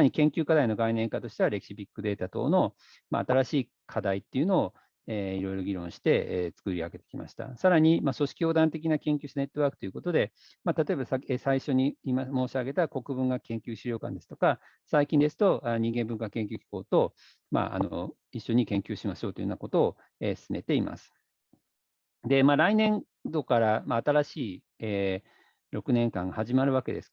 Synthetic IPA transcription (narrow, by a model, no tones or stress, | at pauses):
aaɲ̟ikẽ̞ŋkʲɨːkad̪aino̞ɡainẽ̞ŋkat̪o̞ɕi̥t̪e̞βaɾe̞kʲi̥ɕibʲikːɯd̪e̞ːt̪at̪o̞̰ːno̞ | ma̰ːt̪aɾaɕiː | kʰad̪ait̪ːeiɯ̟no̞ː | eːiɾo̞iɾo̞ɡʲiɾõ̞ɕi̥t̪e̞et͡sɨ̥kɯ̟ɾʲiaɡe̞t̪ekʲima̰ɕi̥t̪a̰saɾaɲ̟imaso̞ɕi̥kʲio̞ːd̪ãnt̪e̞kʲinakẽ̞ŋkʲɨːɕit̪ane̞t̪ːo̞βaːkɯ̟̥t̪oiɯ̟kot̪o̞d̪e̞ | mat̪at̪o̞e̞basaesaiɕo̞ɲ̟iːmamo̞ːɕiaɡe̞t̪ako̞kɯ̟bɯ̟̃ŋɡakẽ̞ŋkʲɨːɕiɾʲjo̞ːkã̰nd̪e̞sɨ̥t̪o̞ka | saikʲĩnd̪e̞sɨ̥t̪o̞ʔaɲ̟ĩŋɡẽ̞mbɯ̃ŋkakẽ̞ŋkʲɨːkʲi̥ko̞̰ːt̪o̞ | ma̰ʔa̰no̰ | iɕːo̞ɲ̟ikẽ̞ŋkʲɨːɕimaɕo̞ːt̪oj̰ona̰ko̞t̪o̞ː | eːsɨ̥sɨme̞̰t̪e̞ima̰sɨ̥ | d̪e̞maɾainẽ̞n | d̪o̞kaɾamaːt̪aɾaɕiː | eː | ɾo̞kɯ̟nẽ̞ŋkã̰ŋɡahaʑimaɾɯ̟βake̞d̪e̞̰sɨ̥